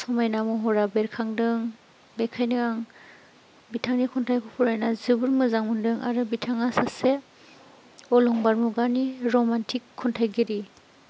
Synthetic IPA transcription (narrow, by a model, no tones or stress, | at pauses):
sɔmajnamɔɦɔɾabeɾkʰaŋdɯŋ | bekʰajnɯɡaŋ | bitʰaŋnikʰɔntʰajkʰɔpʰuɾajnazɯbɯɾmɯzaŋmundɯŋʔa̰ɾɯbitʰaŋasase | ɔlɔŋbaɾmuɡaniɾɔmantʰikʰːɔntʰajɡiɾi